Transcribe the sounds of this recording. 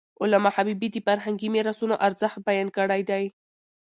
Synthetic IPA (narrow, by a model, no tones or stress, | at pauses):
ʊlamahabibid̪əfaɾɦaŋɡimeɾasunoʔaɾzəxt̪̚bajankəɽajd̪aj